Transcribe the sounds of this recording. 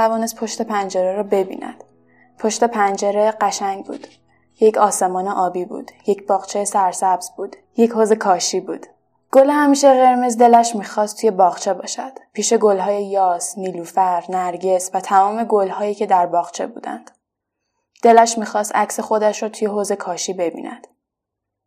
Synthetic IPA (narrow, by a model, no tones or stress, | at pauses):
t̪ʰævɒːne̞st̪̚pʰo̞ʃt̪e̞pʰænd͡ʒeɾeɾɔːbe̞bḭːnæ̰d̪̥ | pʰo̞ʃt̪e̞pʰænd͡ʒeɾe̞ɢæʃæŋɟbṵːd̪̥ | jecʰɒːse̞mɒːneʔɒːbiːbṵːd̪̥je̞cʰb̥ɒːɣt͡ʃʰejesæɾsæbz̥buːd̪ | je̞choze̞kʰɒːʃiːbṵːd̪̥ | ɡ̥olehæmiːʃeɾe̞ɾme̞zd̪e̞læʃmiːxɒːst̪ʰuje̞bɒːʁt͡ʃʰe̞bɒ̰ːʃæd̪̥pʰiːʃe̞ɡolɦɒːje̞jɒːsniːluːfæɾnæɾɟe̞svæt̪ʰæmɒːme̞ɡolhɒːjiːcʰe̞d̪æɾbɒːɣt͡ʃʰe̞̰bṵːd̪æ̰nd̪̥ | d̪̥e̞læʃmiːxɒːst̪æcse̞xod̪æʃɾɔːt̪ʰujeɦoze̞kʰɒːʃiːbe̞bḭːnʔæ̰d̪̥